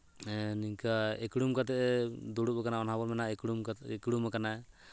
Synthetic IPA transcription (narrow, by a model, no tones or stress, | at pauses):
niɲkaɛkɽumkat̪ɛʔɛd̪uɽubɛkanaɔnabɔɾmɛnaɛkɽumkɛkɽumakanaɛ